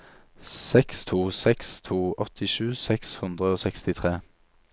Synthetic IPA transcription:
sɛkst̪ʰuːsɛkst̪ʰuːɔt̪ʰɪʃʉːsɛkshʉnd̪ʁəoːsɛkst̪ɪt̪ʰʁeː

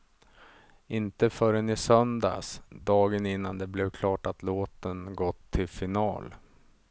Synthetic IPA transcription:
ɪnt̪əfœɾɛnɪsœnd̪a̰sd̪ɑːɡənɪnːand̪ɛblɛvkʰlɑːʈat̪loːt̪ənɡɔt̪ʰːɪlfɪnɑ̰ːl

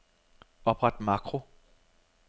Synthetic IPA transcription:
ɒ̽b̥ʁad̥mɑ̈kʰʁo

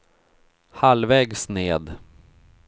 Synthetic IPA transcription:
halvɛːɡsneːd̪

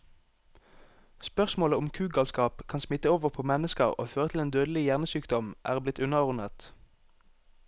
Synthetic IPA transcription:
spœʁsmoːləʊmkʰʉːɡɑlskɑːpkʰɑnsmɪt̪əoːʋəʁpʰoːmɛnəskə̰ʁo̰ːføːʁət̪ʰɪeːnd̪øːd̪əlɪjæʁnəsyːkd̪ɔmʔæ̰ːʁblɪt̪ʉnəʁɔʁnət̪

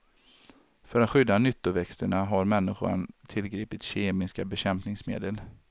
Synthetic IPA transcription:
fœɾat̪ɧʏd̪ːanʏt̪ːʊvɛkst̪əɳaɦaɾmɛnːɪɧʊ̰nt̪ʰɪlɡɾiːpɪt̪ɕeːmɪskabɛɕɛmpnɪŋsmḛːd̪əl

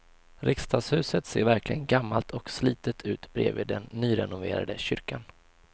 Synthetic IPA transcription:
ɾʔɪkst̪ʰɑːɡshʉ̟ːsət̪seːɾvæɾklɪɡənɡamːalt̪ʰɔksliːt̪ət̪ʰʉ̟ːt̪bɾḛːvḭːd̪ɛnːyːɾɛnʊveːɾa̰d̪əɕʏɾkan

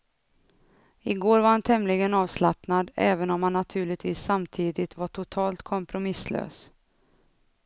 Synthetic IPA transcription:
ɪɡoːɾvaɾhant̪ʰɛmlɪɡənɑːvslapnad̪ɛːvənɔmhanːat̪ʰʉ̟ːɭɪt̪viːsːamt̪ʰiːd̪ɪt̪vaʈʰʊt̪ʰɑːlt̪kʰɔmpɾʊmɪslø̰ːs

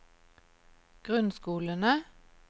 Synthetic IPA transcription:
ɡ̥ʁʉnskuːlənə

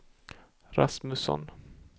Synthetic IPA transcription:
ɾasmɵsɔ̰n

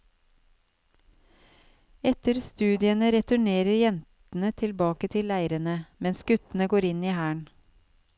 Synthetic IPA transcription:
ɛt̪əɾst̪ʉːd̪ɪənəɾɛt̪ʉɳeːɾəɾjɛnt̪n̩ət̪ʰɪlbɑːkət̪ʰɪlæɪɾənəmɛnsɡ̥ʉt̪n̩əɡoːɾɪniːhæːɳ

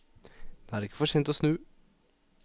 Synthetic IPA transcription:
d̪̥eæːɾɪkːə̥fɔʂjeːnt̪ɔsnʉː

